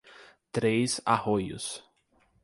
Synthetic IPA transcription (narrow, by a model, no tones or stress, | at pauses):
t̪ɾejza̰hojʊ̰s